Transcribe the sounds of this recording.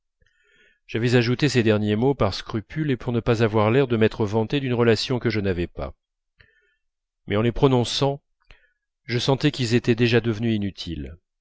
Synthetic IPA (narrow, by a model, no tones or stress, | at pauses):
ʒ̥avɛzaʒut̪esed̪ɛʁnjemopaʁskχypʰylepuʁnəpazavwaʁlɛʁd̪əmɛt̪χəvɑ̃t̪ed̪ynʁəlasjɔ̃kəʒənavɛpa̰ | mʔɛɑ̃lepχɔnɔ̃sɑ̃ | ʒəsɑ̃t̪ɛkʲilzet̪ɛd̪eʒad̪əvnyinyt̪ʰil